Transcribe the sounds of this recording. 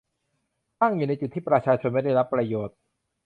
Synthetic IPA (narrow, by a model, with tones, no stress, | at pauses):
t̪aː˥˩ŋju˨˩na˧jt͡ɕu˨t̪ʰːiː˥˩pɾa˧t͡ɕʰaː˧t͡ɕʰo˧nma˥˩jda˥˩jɾa˦˥pːɾa˧joː˨˩t̪̚